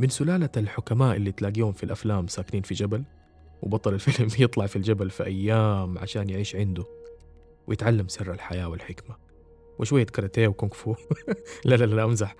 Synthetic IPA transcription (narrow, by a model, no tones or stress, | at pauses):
mɪnsʊlaːlaalħʊkamaːʔɪlːit̪laːɡiːhʊnfilʔaflaːmsaːkɪniːnfid͡ʒabal | wʔɪbɑt̪ˤɑlalfɪlmjɨt̪ˤlɑʕfild͡ʒabalfiʔajːaːmʕa̰ʃaːnjɪʕiːʃʕɪnd̪ʊ | wɪjɪt̪ʕalːamsɪrːalħajaːwɪlħɪkma | wʔɪʃwajːakɑɾˤɑt̪eːwkʊŋkfuːlalalalʔamzaħ